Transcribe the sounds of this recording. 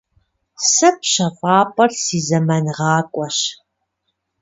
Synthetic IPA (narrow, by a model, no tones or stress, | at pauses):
sɐpɕɐfʼaːpʼɐrsiːzɐmɐnʁɑːkʷʼɔɕ